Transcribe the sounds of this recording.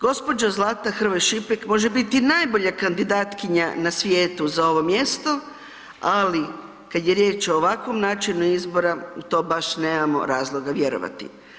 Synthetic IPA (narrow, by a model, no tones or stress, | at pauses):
ɡ̥o̞spo̞d͡ʒazlˠaːt̪axr̩ʋojʃipekmo̞ʒebit̪inaːjbo̞ʎakand̪id̪aːt̪kiɲanasʋjeːt̪uzao̞ʋo̞mje̞st̪o̞ | ali | kad̪je̞ɾje̞ːt͡ʃo̞ːʋakʋo̞mnaːt͡ʃinuizbo̞ɾaut̪o̞ːbaʃne̞ːmamo̞̰ɾaːzlˠo̞ɡaʋje̞ɾo̰ʋa̰t̪ḭ